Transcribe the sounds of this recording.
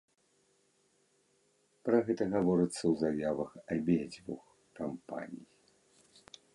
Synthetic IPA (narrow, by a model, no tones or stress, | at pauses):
pɾɐɣɛt̪ɐɣavɔɾɨt̪sːɐwzajavɐxɐbʲed͡zʲvṵx | kampa̰nʲij